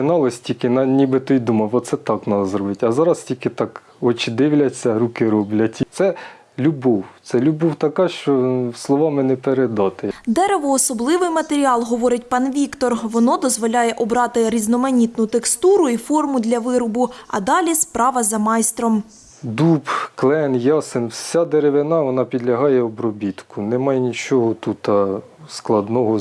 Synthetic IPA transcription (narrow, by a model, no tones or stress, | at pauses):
ɪnɑlˠɐsʲtʲikɪnɐnʲibɪt̪ɔjd̪umɐʋɔt̪sɛt̪ɑknɑd̪ɐzɾɔbɪtʲɐzɑɾɐstʲilʲkɪt̪ɑk | ɔt͡ʃɪd̪ɪwlʲɐt͡sʲːɐɾukɪɾɔblʲɐtʲt̪sɛ | lʲubɔwt̪sɛlʲubɔwt̪ɐkɑʃt͡ʃɔslˠɔʋɑmɪnɛpeɾed̪ɑt̪ɪd̪ɛɾeʋɔːsɔblˠɪʋɪjmɐt̪eɾʲiɑlˠɦɔʋɔɾɪtʲpɑnʋʲikt̪ɔrʋɔnɔd̪ɔzʋɔlʲajɛʔɔbɾɑt̪ɪɾʲiznɔmɐnʲit̪nʊt̪ekst̪uɾʊifɔrmʊd̪lʲɐʋɪɾʊbʊɐ̰d̪ɑlʲispɾɑʋɐzɐmɑjst̪ɾɔm | d̪upklˠɛnjɑsensʲad̪eɾeʋɪnɑʋɔnɑpʲid̪lʲɐɦɑjɛɔbɾɔbʲit̪kʊnɛmɑjɛnʲit͡ʃɔɦɔt̪ut̪ɐ | sklˠɐd̪nɔɦɔ